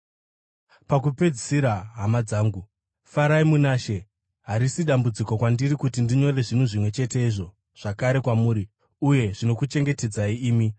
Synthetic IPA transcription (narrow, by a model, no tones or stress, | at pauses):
pakupe̞d͡zisiɾaɦamad͡zaːŋɡu | faɾaimunaʃe̞ | ɦaɾisiɗambud͡ziko̞kwandirikutindiɲo̞re̞ʐin̤uʐimwe̞t͡ʃe̞te̞iʐo̞ | ʐ̥akaɾe̞kwamuːɾi | uje̞ʐino̞kut͡ʃe̞ŋɡe̞te̞d͡zaiiːmi